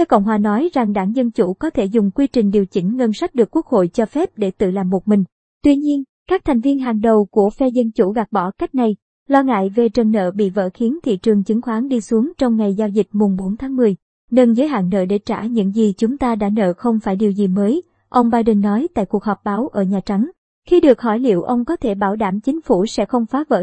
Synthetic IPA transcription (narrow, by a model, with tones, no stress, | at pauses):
fɛː˨˦wkə̰˧˨wŋ͡mɦwaː˨˩nɔ˨˦jza˨˩ŋɗaː˧˩ŋzə˧nt͡ɕu˧˩kɔ˨˦t̪ʰe˧˩zʊ˨˩ŋ͡mkwi˧t͡ɕï˨˩ŋ̟ɗi˨˩əwt͡ɕï˧˩ŋ̟ŋə˧nsa˦˥jk̚ɗɨ˨˩əkːwu˦˥ək̚ho̰˧˨jt͡ɕɔ˧fɛ˦˥p̚ɗe˧˩t̪ɨ̰˧˨laː˨˩mːo˨˩t̚mï˨˩ŋ̟ | t̪wi˧ɲi˧ən | kaː˦˥k̚t̪ʰa˨˩ŋ̟vi˧ənɦa˨˩ŋɗə˨˩wku˧˩əfɛ˧zə˧nt͡ɕu˧˩ɣa˨˩k̚ɓɔ˧˩ka˦˥jk̟̚na˨˩j | lɔ˧ŋa̰ː˧˨jve˨˩t͡ɕə˨˩nːə̰ː˧˨ɓḭ˧˨və̰ː˧˥xi˨˦nt̪ʰḭ˧˨t͡ɕɨ˨˩əŋt͡ɕɨ˨˦ŋxwaː˨˦nɗi˧su˨˦əŋt͡ɕɔ˧wŋ͡mŋa˨˩jzaː˧wzï˨˩k̟̚mʊ˨˩ŋ͡mɓo˨˦nt̪ʰaː˨˦ŋmɨ˨˩əj | ne˧nzəː˨˦jɦa̰ː˧˨ŋnə̰ː˧˨˩ɗe˧˩t͡ɕa̰ː˧˩ɲɨ̰˧˥ŋzi˨˩t͡ɕʊ˨˦ŋ͡mt̪aː˧ɗa̰ː˧˥nə̰ː˧˨xə˧wŋ͡mfaː˧˩jɗi˨˩əwzi˨˩məː˨˦j | ʔə˧wŋ͡mɓaː˧jɗə˧nːɔ˨˦jt̪a̰ː˧˨jku˨˩ək̚hɔ˨˩p̚ɓaː˨˦wʔəː˧˩ɲaː˨˩t͡ɕa˨˦ŋ | xi˧ɗɨ˨˩ək̚hɔ˧˩jlḭ˧˨əwʔə˧wŋ͡mkɔ˨˦t̪ʰe˧˩ɓaː˧˩wɗaː˧˩mt͡ɕï˨˦ŋ̟fu˧˩sɛ̰˧˥xə˧wŋ͡mfaː˨˦və̰ː˧˥